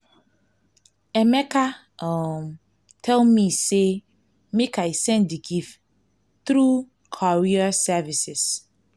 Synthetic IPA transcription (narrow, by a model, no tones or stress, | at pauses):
ɛmɛka | m | tʰɛlmise | mekʰaisɛ̃ndiɡif | θɾu | kʰɔɹiasɛvisɪs